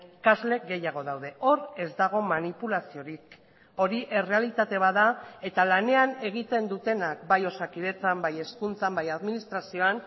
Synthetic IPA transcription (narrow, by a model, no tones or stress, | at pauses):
kazle̞ɡe̞jaɣ̞o̞ð̞awðe̞ʔo̞ɾe̞zd̪aɣ̞o̞manipulasio̞ɾik | o̞ɾiʔe̞re̞alit̪at̪e̞β̞aðae̞t̪alane̞ane̞ɣit̪e̞nd̪ut̪e̞nak̚bajo̞sakiðe̞t͡sambaje̞skunt͡sambajaðminist̪ɾasio̞an